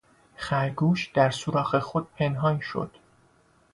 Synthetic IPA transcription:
xæɾɡuːʃd̪̥æɾsuɾɒːɣexo̞d̪̥̚pʰe̞nɦɒːnʃo̰d̪̥

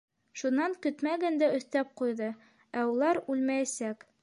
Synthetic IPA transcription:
ʃunːɑŋkɵt̪mæɡænd̪æɵ̆θt̪æp̚qujðɤ | æulˠɑɾʉlmæjæsæk

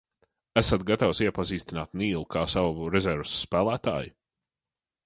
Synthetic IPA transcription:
æsat̪̚ɡat̪awsiɛpaziːst̪inaːt̪niːlˠukʰaːsawɾɛzɛɾvsːpæːlˠæːt̪a̰ːju

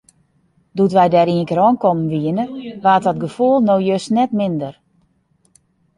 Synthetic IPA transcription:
dutʋɛjdɛɾiəŋkəɾɔnkɔmənʋiənəʋaːtɔtɡəfulˠnowjøsnɛtmɪndər

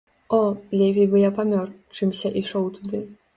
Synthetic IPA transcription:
ɔlʲɛvʲijbɨjapamʲɔrt͡ʂɨmsʲɐʔiʂɔwt̪ud̪ɨ

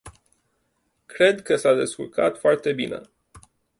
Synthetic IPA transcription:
kɾe̞d̪kəsad̪e̞skṵlka̰t̪foart̪e̞bḭne̞̰

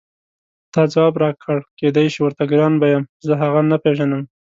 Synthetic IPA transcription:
t̪ɑd͡zawɑbɾɑkʰəɽked̪ajʃiwəɾt̪aɡɾɑnbajəmzəɦaɣanapeʒanəm

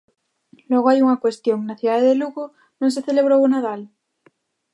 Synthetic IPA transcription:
lweɣoajuŋakwe̞st̪joŋnaθjuðaðeðeluɣo | nõŋseθeleβ̞ɾounaðal

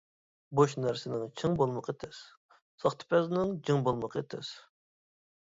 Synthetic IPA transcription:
boʃnæɾsɪnɪŋt͡ʃʰɨŋbolˠməqet̪ʰɛs | sɑχt̪ʰɨ̥pʰɛznɪŋd͡ʒɨŋbolˠməqʰet̪ʰɛ̰s

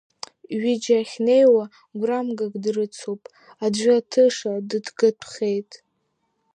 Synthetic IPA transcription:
ɥid͡ʒaχʲne̞jwa | ɡʷramɡaɡʼdrɨt͡sʰopʼ | ad͡ʒʷaatʰɨʂadɨdɡɨtʰχʲejtʼ

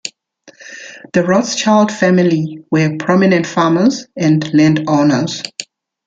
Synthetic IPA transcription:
ð̥əɹɔdst͡ʃaɪld̥fæmɪliwəpʰɹɔmɪnə̃ntfaːməzɛ̃nlɛ̃ndɔnəz̥

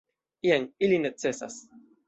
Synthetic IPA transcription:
ieŋilinett͡sːesa̰s

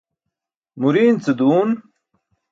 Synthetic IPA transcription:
muɾiːnt͡sed̪uːn

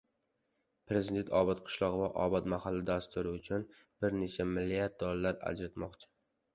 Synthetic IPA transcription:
pɾe̞zɪd̪e̞nt̪ɒbɒt̪qʰʊ̥ʃlˠɒʁvaʔɒ̰bɒt̪mahalːɪd̪ast̪ʰʊɾɪʊt͡ʃʰʊn | b̥ɪɾne̞t͡ʃʰamɪlːijat̪̚d̪ɒlalaɾa̰d͡ʒɾat̪mɒqt͡ʃʰɪ̥

